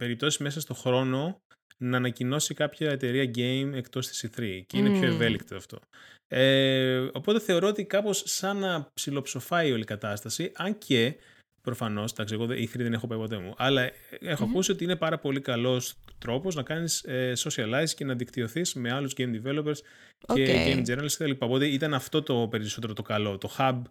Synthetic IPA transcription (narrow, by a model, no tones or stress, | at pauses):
pe̞ɾip̚t̪o̞sizme̞sɐst̪o̞xɾo̞no̞ | nɐːnɐcino̞sikɐpçɐet̪e̞ɾiɐɟe̞jme̞kt̪o̞st̪i̥siθɾiceinepço̞eve̞likt̪oɐft̪o̞̰eo̞po̞t̪e̞θe̞o̞ɾo̞ot̪ikɐpo̞sːɐnɐpsilo̞pso̞fɐio̞likɐt̪ɐst̪ɐsiʔɐɲcʰe | pɾo̞fɐno̞sd̪ɐksieɣoðeʔiθɾiðe̞ne̞xopɐjpo̞t̪̬e̞mṵʔɐlɐe̞xoɐkusio̞t̪iinepɐɾɐpo̞likɐlo̞st̪ɾo̞po̞znɐkɐniseso̞siɐlɐjzce̞nɐðikt̪io̞θisme̞ɐluzɡejmd̪ive̞lo̞pes | ceɟejmd͡zenɐlsket̪ɐlipɐo̞po̞t̪eit̪ɐnɐft̪o̞t̪o̞pe̞ɾiso̞t̪eɾot̪o̞kɐlo̞t̪o̞xɐb